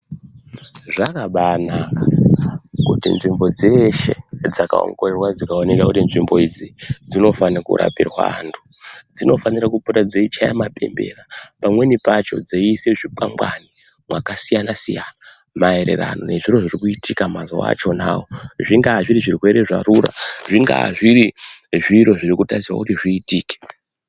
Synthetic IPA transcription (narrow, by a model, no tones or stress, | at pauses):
ʐakaɓanaa | kṵtḭnʐimbo̞d͡zeʃe̞d͡zaka̰o̰ŋɡo̞rerwad͡zikaone̞kakutinʐimbo̞id͡zid͡zino̞faniakṵɾa̰pirwa̰antʰu̥d͡zino̞fanirakuputad͡zeit͡ʃaja̰mape̞̰mbe̞̰rapamwe̞nipat͡ʃo̞̰d͡zeiseʐipamɡwani | mwakasijanasija | mae̞ɾe̞̰ra̰no̞̰ne̞ʐiro̞ʐirikuitikamazo̰wa̰t͡ʃo̞na̰ːwoʐiŋɡaʐiɾiʐirwe̞ɾe̞ʐaruɾa̰ʐiŋɡa̰ʐiɾiʐiɾo̞ʐirikutasiwa̰kutiʐiːtiːke̥